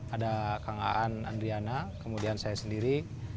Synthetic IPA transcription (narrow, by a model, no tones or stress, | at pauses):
adakaŋa̰ʔana̰ndɾianakəmudiansajasəndiɾi